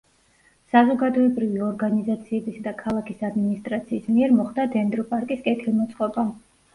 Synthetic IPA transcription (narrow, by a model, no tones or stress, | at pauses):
sazɔɡad̪ɔɛbɾiviɔɾɡanizat̪sʰiɛbisad̪akʰalˠakʰisad̪minist̪ʼɾat̪sʰiːsmiɛɾmɔχd̪ad̪ɛnd̪ɾɔpʼaɾkʼiskʼɛt̪ʰilˠmɔt̪sʼqʼɔba